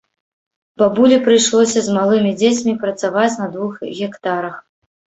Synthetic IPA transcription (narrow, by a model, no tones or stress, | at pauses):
b̥abulʲipɾɨjʂlˠɔsʲɐzmalˠɨmʲid͡zʲet͡sʲmʲipɾɐt̪savat͡sʲnɐd̪vuxɣʲɛkt̪aɾɐx